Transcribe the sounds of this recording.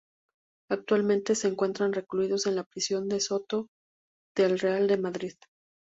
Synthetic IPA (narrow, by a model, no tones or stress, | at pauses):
ak̚t̪walmẽ̞nt̪e̞se̞ːŋkwe̞nt̪ɾanre̞kluiðo̞se̞nlapɾisjo̞nd̪e̞so̞t̪o̞ | ð̥elre̞ald̪e̞maðɾið